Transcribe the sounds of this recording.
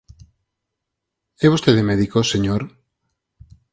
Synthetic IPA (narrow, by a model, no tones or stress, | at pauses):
ɛβ̞ost̪eðemɛðikoseɲoɾ